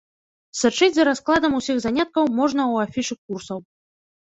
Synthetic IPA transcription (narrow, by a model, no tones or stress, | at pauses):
sɨt͡ʂɨd͡zʲzɐɾasklˠad̪ɐmusʲiɣzanʲat̪̚kɐwmɔʐnɐuafʲiʂɨkːursɐw